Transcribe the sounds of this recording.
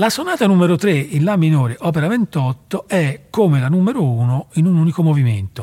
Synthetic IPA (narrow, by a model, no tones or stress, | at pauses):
lasonaːt̪anumeɾot̪ɾeinlaminoːɾeʔɔːp̬eɾavent̪ɔt̪ːoɛkːomelanumeɾouːnoinunuːnikomovimḛnt̪o